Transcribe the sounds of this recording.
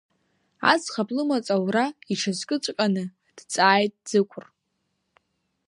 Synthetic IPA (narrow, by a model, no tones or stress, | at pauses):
a̰zχapʼlɨmat͡sʼawraiʈ͡ʂʰazkʼɨt͡ʃʷʼkʼanɨ | d̥t͡sʼaːjtʼd͡zɨkʷʰʊr